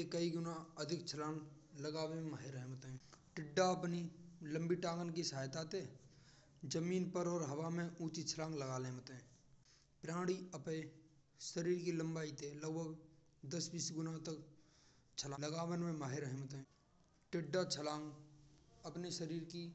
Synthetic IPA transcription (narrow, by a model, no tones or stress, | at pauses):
ekəiɡʊnaəd̪ʱɪk̚t͡ʃʰəlãːŋɡ | ləɡaːʋeẽmaːɦɪɾəɦemət̪ɛ̃ːʈɪɖːaəpnilə̃mbiʈãːɡənkisaːjt̪aːt̪eː | d͡ʒəmiːnpəɾɔːɾɦɐʋamẽũːt͡ʃit͡ʃʰəlãːŋɡləɡaːlẽːmət̪ɛ̃ː | pɾãːɽ̃iəpe | səɾiːɾkilə̃mbaːit̪ʰeləɡbʱəɡ | d̪əsbiːsɡʊnat̪ək | t͡ʃʰəlãləɡaːwənmẽmaːɦeɾəɦɛ̃mət̪ɦɛ̃ː | ʈɪɖːat͡ʃʰəlãːŋɡ | əpneʃəɾiːɾki